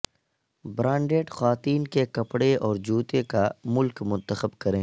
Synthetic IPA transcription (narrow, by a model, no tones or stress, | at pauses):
bɾãːɳɖeːʈxwaːt̪iːnkekɐpɽeʔɔːɾd͡ʒuːt̪ekamʊlkmʊ̃nt̪əxəbkɐɾẽː